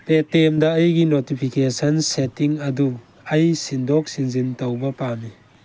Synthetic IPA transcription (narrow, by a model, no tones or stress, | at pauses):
petemdɐɐjɡinotipʰikesɐnsetiŋɐd̪u | ɐjsindɔk̚sinzintɐwbɐpami